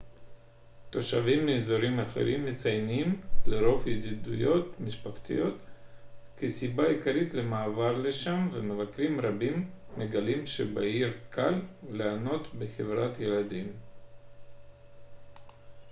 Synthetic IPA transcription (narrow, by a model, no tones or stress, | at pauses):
t̪o̞ʃavimːeːzo̞ɾimaχḛɾimːet͡sajnimleɾo̞fjed̪id̪ujo̞t̪miʃpaχt̪ḭjo̞t̪ | kisibaikaɾit̪lemaːvaɾleʃamvemevakɾimɾabimːeɡalimʃḛbaiɾkʰalleano̞t̪beχevɾat̪jelad̪im